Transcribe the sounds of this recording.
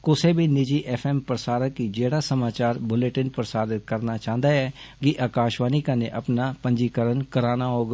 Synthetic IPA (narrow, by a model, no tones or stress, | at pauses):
kʊseːbiːnɪd͡ʒiːʔɛːpʰɛːmpɾəsaːɾəkiːd͡ʒeːɽaːsəmaːt͡ʃaːɾbʊleʈɪnpɾəsaːd̪ɪt̪kəɾnaːt͡ʃãːnd̪aːɛːkɪʔaːkaːʃʋaːniːkanẽːʔəpnaːpəɲd͡ʒiːkəɾənkəɾaːnaːɦoːɡ